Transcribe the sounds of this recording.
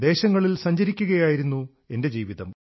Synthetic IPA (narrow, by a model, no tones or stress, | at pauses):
d̪e̞ːɕɐŋːɐɭilsɐɲd͡ʑɐɾikʲːuɣɐjaːjiɾunːu | e̞nde̞d͡ʑiːʋiðɐm